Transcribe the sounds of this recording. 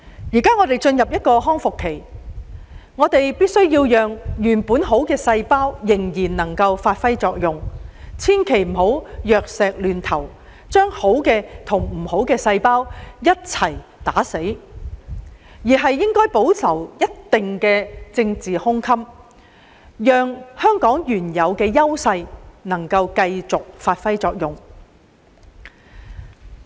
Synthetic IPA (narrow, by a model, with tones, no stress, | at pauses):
jiː˨˩kaː˥ŋɔ˨˧t̪e˨˩jt͡ʃɵ˧njɐ˨p̚jɐ˥t̚kɔː˧ɦɔː˥ŋfʊ˨kʰːe˨˩j | ŋɔː˨˧t̪e˨jpiː˥t̚sɵ˥ɥjiː˧wjœː˨ŋjyː˨˩npuː˨˥nɦo˨˥wkɛː˧sɐ˧jpaː˥wjɪ˨˩ŋjiː˨˩nnɐ˨˩ŋkɐ˧wfaː˧t̚fɐ˥jt͡sɔː˧k̚jʊ˨ŋt͡sʰiː˥nkʰe˨˩jm̩˨˩ho˨˥wjœː˨k̚sɛː˨k̚lyː˨nt̪ʰɐ˨˩w | t͡ʃœː˥ŋho˨˥wkɛː˧t̪ʰʊ˨˩ŋm̩˨˩ho˨˥wkɛː˧sɐ˧jpaː˥wjɐ˥t̚t͡sʰɐ˨˩jt̪aː˨˥se˨˥j | jiː˨˩ɦɐ˨jːɪ˥ŋkɔː˥jpo˨˥wsʰɐ˨˩wjɐ˥t̚t̪ɪ˨ŋkɛː˧t͡sɪ˧ŋt͡siː˨hʊ˥ŋkʰɐ˥m | jœː˨ŋhœː˥ŋkɔː˨˥ŋjyː˨˩njɐ˨˧wkɛː˧jɐ˥wsɐ˧jnɐ˨˩ŋkɐ˧wkɐ˧jt͡sʊ˨k̚faː˧t̚fɐ˥jt͡sɔː˧k̚jʊ˨˩ŋ